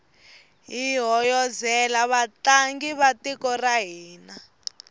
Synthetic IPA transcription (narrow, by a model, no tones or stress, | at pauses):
ɦiɦɔjɔzɛlaβataŋɡiβatikɔraɦiːna